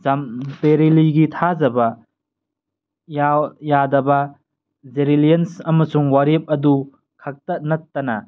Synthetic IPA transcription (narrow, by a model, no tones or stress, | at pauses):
zampeɾiliɡitʰazɐbɐ | jawjadɐbɐ | zeɾilijensɐmɐsuŋwaɾep̚ɐdu | kʰak̚tɐnɐtːɐnɐ